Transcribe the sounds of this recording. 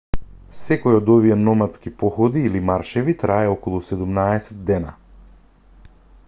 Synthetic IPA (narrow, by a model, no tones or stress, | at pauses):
sɛkɔjɔd̪ɔvijɛnɔmat̪skipɔxɔd̪iːlimaɾʃɛvit̪ɾaɛɔkɔlˠusɛd̪umnaɛsɛt̪̚ːɛna